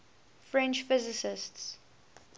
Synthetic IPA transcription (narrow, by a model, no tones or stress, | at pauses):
fɹɛ̃nt͡ʃfɪzɪsɪsts